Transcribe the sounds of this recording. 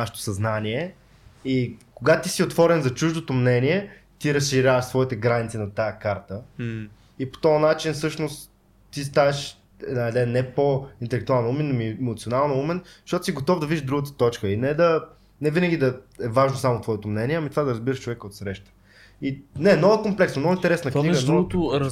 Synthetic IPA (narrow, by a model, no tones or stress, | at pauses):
aʃɛ̥t̪o̥sɐznaniɛ | ikoɡat̪isiot̪vɔɾɛnzɐt͡ʃuʒd̪ot̪omnɛniɛ | t̪iɾɐsʃiɾʲavəʃsvɔit̪ɛɡɾanit̪sinɐt̪ajəkaɾt̪ə | ipo̥t̪ɔɐnat͡ʃinfsɤʃnost̪ | t̪ːist̪avɛʃ | ɛd̪naɛd̪ɛnːɛpoint̪ɛlɛk̚t̪ualˠnumɛnːomiɛmot̪sionalˠnoumɛnʃt̪ɔt̪o̥siɡot̪ɔvd̪ɐvidʒd̪ɾuɡət̪ə̥t̪ɔt͡ʃkəinɛd̪ɐ | nɛvinəɡʲid̪ɐɛvaʒnosamot̪vɔɛt̪omnɛniɛɐmit̪ovad̪ɐɾɐzbiɾəʃt͡ʃovɛkəot̪sɾɛʃt̪ə̥ | inɛnɔvəkomplɛksnomnɔɡʊint̪ɛɾɛsnəkniɡənuɡt̪ʊ